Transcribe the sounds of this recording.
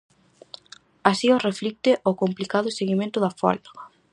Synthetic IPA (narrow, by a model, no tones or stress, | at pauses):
asioreflik̚t̪ɪʔokomplikað̞ʊseɣimẽnt̪ʊðɐfa̰la